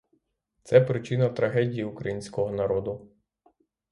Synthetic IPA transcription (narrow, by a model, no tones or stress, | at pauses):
t̪sɛpɾɪt͡ʃɪnɐt̪ɾɐɦɛdʲijiukɾɐjinʲsʲkɔɦɔnɐɾɔd̪ʊ